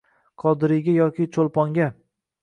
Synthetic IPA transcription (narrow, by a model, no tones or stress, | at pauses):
qʰɒd̪ɪɾɪɡʲajɒkʲʰɪt͡ʃʰolˠpɒŋɡʲa